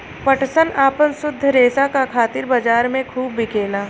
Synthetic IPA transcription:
pəʈsənaːpənsʊd̪ʱːɾeːsakakʰaːt̪ɪɾbɐd͡ʒaːɾmẽkʰuːbːɪkʰeːlaː

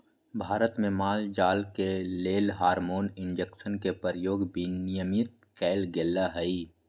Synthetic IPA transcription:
bʱaːɾət̪mẽmaːld͡ʒaːlkeleːlɦaːɾmoːnɪ̃nd͡ʒəksənkepəɾjoːɡbinɪjəmɪt̪̚ | kɛːlɡelːaɦɛi

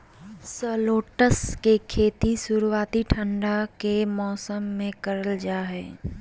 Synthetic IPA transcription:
səːloːʈəskekʰeːt̪isʊɾuwaːt̪iʈʰə̃ɳɖakemɔːsəmːẽkɐɾəld͡ʒaːɦɛ̰ː

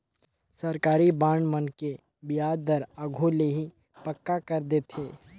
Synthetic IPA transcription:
sɐɾkaːɾibaːɳmənke | bɪjaːd̪əɾəɡʱuleɦi | pəkːakəɾd̪eːt̪ʰeː

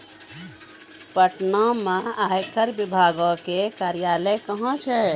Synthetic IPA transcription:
pəʈnɔmẽajkəɾbɪbʱaːɡɔkekaːɾijaːləkəɦɔ̃t͡ʃʰɛ

